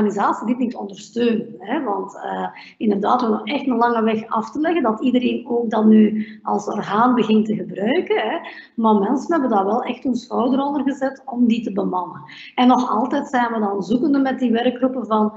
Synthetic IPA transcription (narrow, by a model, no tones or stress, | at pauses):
anizaːsidɪtnitɔ̰ndərstøːnɦɛʋɑntə | ɪndərdaːtwənɔxɛxtəlɑŋəʋɛxɑftəlɛɣəndɑtidəɾeːnoːk̚dɑtnyɑlˠsɔ̰rɣaːnbəɣɪntəɣəbrœɥkəɦɛmaːrmɛnsənɦɛbədaːrʋɛlˠɛxtɵnshɔwdəɾɔndərɣəzɛtɔmditəbəmɑnə | ɛnːɔxɑ̰lˠtɛtsɛnʋədɑnzukəndəmɛt̚diʋɛrkrupəvɑn